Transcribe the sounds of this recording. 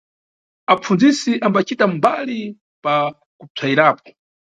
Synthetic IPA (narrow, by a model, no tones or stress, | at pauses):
ap͡fund͡zisiʔambat͡ʃitambali | pa | kub͡ʐʰaiɾaːp̚ɔ̥